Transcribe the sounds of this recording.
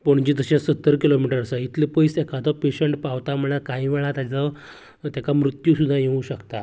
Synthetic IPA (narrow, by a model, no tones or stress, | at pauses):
poɳd͡ʑid̪əɕãsət̪ːəɾkilomiʈəɾsaɦit̪ʰlepəisɛkat̪ɔpeɕəɳʈpaʋt̪am̤əɽ̃akaĩʋɛɭat̪jat͡sa | t̪jakamɾut̪juːsud̪ʱajeʋũɕəkt̪a